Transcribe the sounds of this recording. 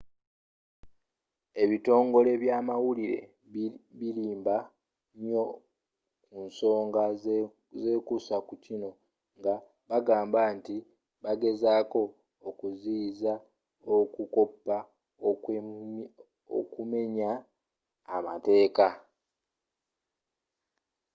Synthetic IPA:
e̞βito̞ːŋɡo̞le̞βjaːmawuliɾe̞̰ | βiliːmba | ɲo̞ | kunso̞ːŋɡa | ze̞ːkusakucino̞ | ŋɡa | βaɡaːmbaːnti | βaɡe̞zaːko̞ː | kuziːza | okuko̞pːa | o̰kume̞ɲaː | ma̰te̞ːka

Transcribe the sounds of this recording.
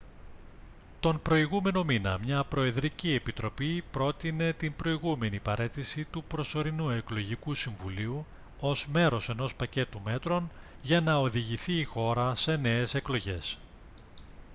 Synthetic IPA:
t̪o̞mpɾo̞iɣume̞no̞minɐ̰mɲɐpɾo̞e̞ðɾicie̞pit̪ɾo̞pipɾo̞t̪ine̞t̪imbɾo̞iɣume̞nipɐɾʔe̞t̪isit̪upɾo̞so̞ɾinue̞klo̞ʝikusiɱvuliu | o̞zme̞ɾo̞se̞no̞spɐce̞t̪ume̞t̪ɾo̞n | ʝɐnɐo̞ðiʝiθiːxo̞ɾɐse̞ne̞ːse̞klo̞ʝe̞̰s

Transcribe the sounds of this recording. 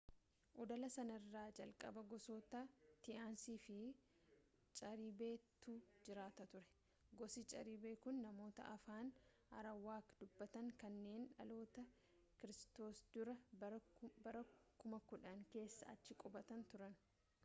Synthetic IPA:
ʔɔd̪ɐlɐsɐnɐrːaːd͡ʒɐlkʼɐ̰bɐɡɔsoːt̪ɐt̪ɪʔaːnsiːfɪ | t͡ʃʼɐɾiːbe̞ːt̪uːd͡ʒɪɾaːt̪ɐt̪ʊɾɛ̥ | ɡɔsit͡ʃʼɐ̰ɾibeːkʊnːɐmo̞ːt̪ɐ̰ʔɐfaːn | ɐ̰ɾɐwːaːkd̪̥ʊbːɐt̪ɐŋkɐnːe̞ːnᶑɐ̰lo̞ːt̪ɐ | kɪɾɪst̪o̞ːsd̪ʊɾɐ | bɐɾɐkʊmɐkʊᶑɐŋke̞ːsːɐ̰ɐ̰t͡ʃːɪkʼɔbɐt̪ɐnt̪ʊɾɐn

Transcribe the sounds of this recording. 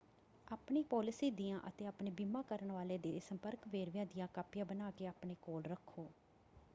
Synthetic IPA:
aːpɳiːpɔːlɪsiːd̪ɪjãːʔət̪eːaːpɳeːbimãːkəɾəɳʋaːleːd̪eːsəmpəɾkʋeːɾʋjãːd̪ɪjãːkaːpjãːbənaːkeːaːpɳeːkoːlɾəkʰːoː

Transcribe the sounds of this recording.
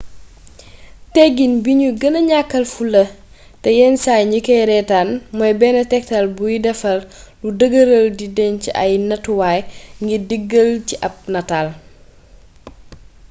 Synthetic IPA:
tɛɡːinbiɲuɡɐnɐɲakːɐlfulɐ | tɛjɛnsajɲikɛjɾɛtaːnmɔjbɛːnɐtɛk̚talbujidɛfɐlludəɡəɾəldidɛnciʔɐjnɐtuwaːjŋɡidiɡːəlciʔɐp̚nɐtaːl

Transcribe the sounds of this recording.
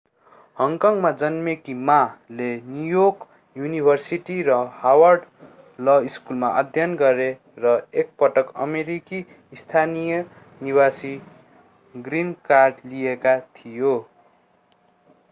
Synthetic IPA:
hʌŋkʌŋmad͡zʌnmekimalenjujoɡ | junibʱʌrsiʈiɾʌhawʌrɖ | lʌiskulmaʔʌd̪ʱjʌnɡʌɾe | rʌek̚pʌʈʌkʌmeɾiki | st̪ʰanijʌ | nibasi | ɡrinkarɖlijekat̪ʰijo

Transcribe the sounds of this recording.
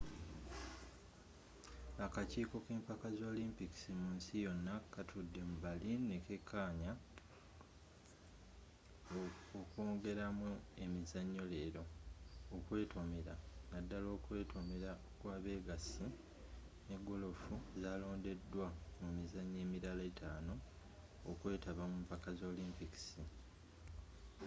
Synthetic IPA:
akaciːko̞keːmpakazo̞ːlimpiki̥simuːnsijo̞nːakatʰudːe̞muβaline̞ke̞kʰːaːɲa | okoːŋɡe̞ɾamue̞mizaɲːo̞le̞ːɾo̞ː | kwe̞ːtʰo̞me̞ɾanadːalo̞ːkwe̞ːtʰo̞me̞ɾa | kwaːβe̞ːɡasi | neɡo̞lo̞fuzaːlo̞ːnde̞dːwamumizaɲːe̞ːmiɾalaetaːno̞ː | kwe̞ːtaβamumpakazo̞ːliːmpiki̥si

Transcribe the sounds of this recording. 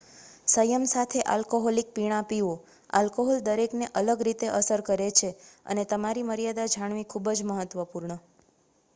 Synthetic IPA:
səjəmsat̪ʰeʔa̰lkoɦolik̚piɽ̃apio | a̰lkoɦɔld̪əɾekneʔələɡɾit̪eʔəsəɾkəɾet͡ʃʰeə̰net̪əmaɾiməɾijad̪ad͡ʒʱaɳ̃ʋikʰubəd͡ʒməɦət̪ʋəpuɾɳə

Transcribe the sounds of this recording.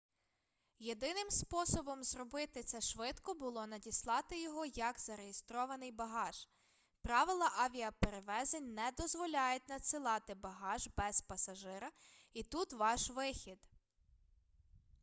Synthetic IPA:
jed̪ɪnɪmspɔsɔbɔmzrɔbɪt̪ɪt̪sɛʃʋɪd̪kɔbʊlˠɔnɐdʲislˠɑt̪ɪjɔɦɔjɐkz̥ɐɾejest̪ɾɔʋɐnɪjbɐɦɑʒ̥ | pɾɑʋɪlˠɐʔɐʋʲiɐpeɾeʋɛzenʲnɛd̪ɔzʋɔlʲɑjʊtʲnɐt̪sɪlˠɑt̪ɪbɐɦɑʒbɛz̥pɐsɐʒɪɾɐit̪ut̪ʋɑʃʋɪxʲid̪

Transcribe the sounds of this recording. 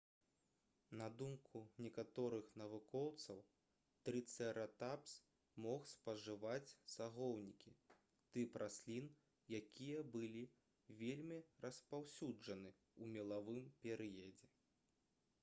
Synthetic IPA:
nɐd̪umkʰunʲɛkat̪ɔɾɨxnɐvukɔwt̪sɐw | t̪ɾɨt̪sɛɾɐt̪aps | mɔxspɐʐɨvat͡sʲsaɣɔwnʲikʲi | t̪ɨpɾʔasʲlʲin | jakʲʰijɐbɨlʲi | vʲelʲmʲirɐspawsʲud͡ʐɐnɨ | umʲɛlˠavɨmpʲɛɾɨjɐd͡zʲɛ

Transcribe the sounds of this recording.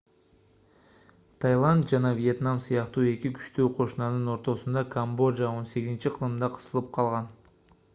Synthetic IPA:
t̪ʰajlˠant̪̚d͡ʒɑnɑvije̞t̪namsɯjɑqt̪uːe̞kʲikʰy̥ʃt̪øːqʰo̞ʃunɑnɯno̞ɾt̪o̞sund̪ɑkʰambo̞ʒao̞nse̞ɡʲizint͡ʃiqʰɯlˠɯmd̪ɑqʰɯ̥sɯlˠɯp̚qʰɑlˠʁɑn

